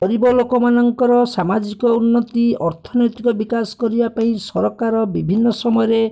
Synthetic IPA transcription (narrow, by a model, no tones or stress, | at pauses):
ɔɾibɔlokɔmanɔŋkɔɾɔsamad͡ʒikɔunːɔt̪iɔɾt̪ʰɔnɔjt̪ikɔbikasɔ̥kɔɾibapaĩsɔɾɔkaɾɔbibʱinːɔsɔmɔjɔɾe